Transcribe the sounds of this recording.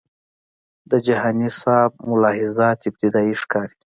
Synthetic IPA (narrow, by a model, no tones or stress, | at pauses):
d̪əd͡ʒahɑːnisɑb̚mʊlɑhɪzat̪ɪb̚t̪id̪ɑiʂkɑːɾi